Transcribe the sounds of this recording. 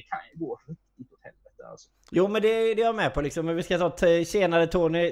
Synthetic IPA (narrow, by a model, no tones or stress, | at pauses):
kʰa̰njəɡoːhɪk̚t̪ɪʊt̪hɛlvɛt̪əa̰lsɔ̥ | juːmɛnd̪ɛd̪ɛjaɾmɛpʰɔlɪksɔmːɛnvɪskat̪ʰɑːt̪ʰɕeːnaɾət̪ʰoːnɪ